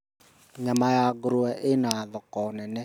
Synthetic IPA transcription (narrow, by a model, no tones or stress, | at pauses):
ɲamajaɡoɾoɛʔenaðɔkɔnɛnɛ